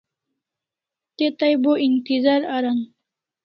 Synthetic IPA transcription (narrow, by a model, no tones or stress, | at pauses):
t̪et̪ɐjboʔint̪izaɾɐɾan